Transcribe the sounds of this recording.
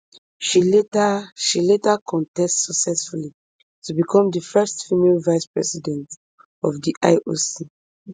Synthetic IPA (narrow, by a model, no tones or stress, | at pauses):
ʃietʃiletakʰɔ̃ntɛstsɔksɛsfuli | tubikʰɔ̃mdəfɛstfimelvaɪspɹɛsidɛ̃nt | ɔvdiʔa̰ɪʔosi